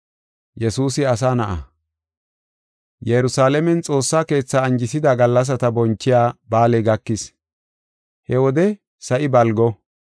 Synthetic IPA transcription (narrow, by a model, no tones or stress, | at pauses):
jɛsuːsɪɐs̬aːnɐʔɐ̰ | jɛɾʊsaːlɛmɛnt͡sʼo̞ːsːaːke̞ːt͡sːaːnd͡ʒɪsɪd̪ɐɡɐlːɐs̬ɐt̪ɐbɔnt͡ʃːɪjaːbaːlɛɡɐkːɪs | hɛwɔd̪ɛ | sɐʔɪbɐlɡɔ